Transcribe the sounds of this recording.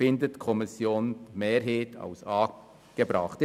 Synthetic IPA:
ɪndətkʰɔmɪsjoːnmeːɾɦeːtʰa̰ʊsɑː | ɡ̥ebɾɑχt

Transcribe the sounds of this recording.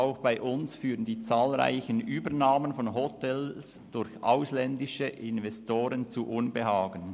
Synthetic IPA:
aʊxb̥aɪʔʊnsfyːʁəndiːt͡saːlʁa̰ɪçənʔyːbənaːmənfɔnɦotʰɛls | d̥ʊɾçʔaʊslɛndɪʃəʔɪnvɛstoːɾənt͡suʔʊnbəɦaːɡən

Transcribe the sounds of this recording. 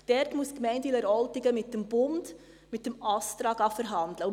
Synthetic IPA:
d̥ɛɾtmuskmɛɪndilɛɾɔltɪɡəmɪt̚dəmb̥ʊnd̥ | mɪt̚ːəmɑst̪ɾɑːɡɑfəɾɦɑndləʊ

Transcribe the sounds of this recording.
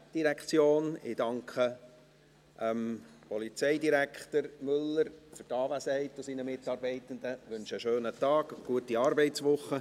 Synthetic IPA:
d̥iɾɛkχt͡sjoːnɪ̰d̥ɑŋkχə | ʔəmpɔlit͡sɛɪdiɾækʰχt̪əɾmʏlːəɾfʏɾtɑːʋæsɛɪtʊsinəmɪtːɑːɾbɛɪt̪ən̩d̪əʋʉnʃəʃøːnətɑːɡ̥ɡ̥uətiɑːɾbɛɪtt͡sʋʊχːə

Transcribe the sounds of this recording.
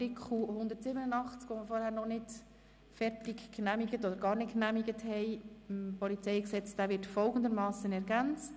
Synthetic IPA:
ɾɪkʰχuhʊnd̪ətsɪbənənɑχt͡skʋɔməfɔɾhæːɾnɔχnɪt | fɛɾtɪkkːnæmiɡətɔd̪əɾɡɑːɾnɪt̚knæmiɡəthɛjmpɔlit͡sɛjksɛt͡sd̥æːʋɪrtfɔlˠɡən̩d̪əɾmɑːsənɛɾɡænt͡st

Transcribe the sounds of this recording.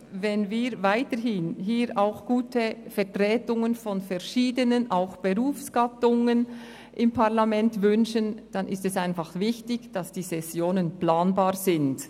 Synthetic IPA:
vɛnviːɾvaɪtəɦhɪnɦiːɾʔaʊxɡ̥uːtʰəfɛʁtʁɛːtʊŋənfɔnfɛɾʃiːdənənʔaʊxb̥əʁuːfsɡ̥atʊŋən | ʔɪmpʰaʁlamɛntvʏnʃənd̥anʔɪstɛsaɪnfɑχvɪçtɪçd̥asd̥iːsɛsjoːnənplaːnbaːʁzɪnd

